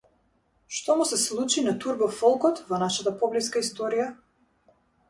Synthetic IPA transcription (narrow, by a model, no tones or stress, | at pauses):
ʃt̪ɔmusɛslˠut͡ʃinat̪uɾbɔfɔlˠkɔt̪vɔnaʃat̪apɔbliskaist̪ɔɾija